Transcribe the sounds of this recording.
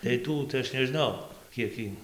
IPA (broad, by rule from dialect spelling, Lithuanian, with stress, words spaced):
tɐɪ ˈtuː tɐɪ ˈɐʃ nʲɛˈʒnɐʊ ˈkʲiɛk iː